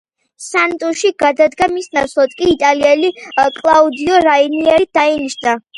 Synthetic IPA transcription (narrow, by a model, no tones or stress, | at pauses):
sant̪ʼuʃiɡad̪ad̪ɡamisnasʰlˠat̪̚kʼiːt̪ʼaliɛlikʼlˠaud̪iɔɾainiɛɾid̪̥ainiʃna